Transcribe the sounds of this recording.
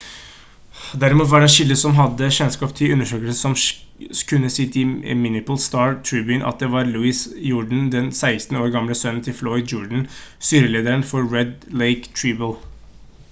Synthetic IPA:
d̪æɾɪmuːt̪ʋɑɖɛʃɪld̪əsɔmɦɑd̪ːəʃɛnskɑːpt̪ʰɪlʉnːəʂøːkəlsəsɔmkʰʉnːəsɪt̪ɪmɪnɪpəlst̪ɑːɹt̪ʰɹiːbʉɪnʔɑ̰t̪̚d̪ɛʋɑɾlʉːɪsjʊɖɳ̩d̪ɛnsæɪst̪n̩oːɾɡɑmləsœnn̩t̪ʰɪlflɔʏd̪d͡ʒɔɖɳ̩st̪yːɾəleːd̪əɾənfɔɾːɛd̪leɪkt̪ʰɹibəl

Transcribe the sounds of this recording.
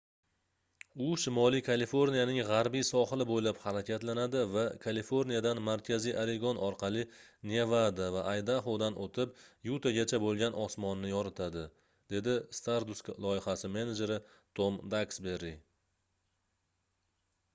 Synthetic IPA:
ʊʃɪmɒlˠikʰalifo̞ɾnijanɪŋʁaɾbijsɒχɨlˠɪbojlaphaɾakʲʰat̪lanad̪ɪvakʰalifoɾnijad̪anmaɾkʲʰazijʔaɾe̞ɡonʔɒɾqʰɑlˠɪnevad̪avaʔajd̪aχod̪anʔot̪ʰɪp̚jut̪ʰaɡʲat͡ʃʰabolˠɡʲanʔɒsmɒnːɪjɒɾat̪ʰad̪ɪ | d̪̥e̞d̪ɪst̪aɾd̪ʊsklˠɒɪhasɪme̞ned͡ʒe̞ɾɪ | t̪ʰomd̪aksbe̞ɾːi

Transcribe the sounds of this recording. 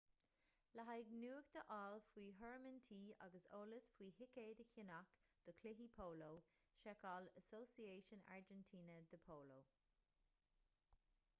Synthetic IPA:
laɦaɪɡnuːəkd̪̥əʔɔːlfwiːɦəɹmənt̪ʰiːa̰ɡəso̰ːləsfwiːɦɪkeːd̪əçɪnakd̪̥ɔkʰlɪɦipʰoːloːʃɛkɔləsoːsieːʃəna̰ɹd͡ʒɛntʰiːnəd̪əpʰoːloː

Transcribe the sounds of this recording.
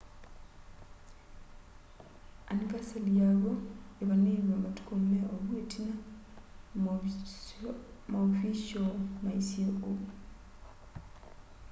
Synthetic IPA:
a̰nikasaljaβoeβaneːmamatu̥kommeoβwetʰina | mafisomaisioʔo

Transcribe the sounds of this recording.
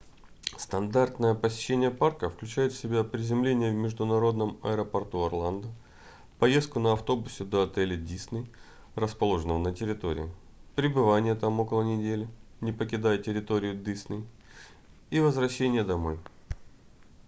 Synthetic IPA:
st̪ɐnd̪art̪nəjəpəsʲɪ̥ɕːenʲɪjəparkəfklʲʉt͡ɕæjɪt̪fsʲɪbʲapɾʲɪzʲɪmlʲenʲɪjəvmʲɪʐd̪ʊnɐɾo̞d̪nəmɐ̰əɾəpɐrt̪uɐrlˠand̪ə | pɐje̞st̪̚kʊnəɐft̪o̞bʊsʲɪd̪ɐɐt̪ɛlʲɪdʲisnəj | ɾrəspɐlˠo̞ʐənəvənətʲɪɾʲɪt̪o̞̰ɾʲɪ̰jɪ | pɾʲɪbɨvanʲɪjət̪amo̞kəlˠənʲɪdʲelʲɪnʲɪpəkʲɪd̪ajətʲɪɾʲɪt̪o̞ɾʲɪjʊd̪ɨsnəj | ivəzvrɐɕːenʲɪjəd̪ɐmo̞j

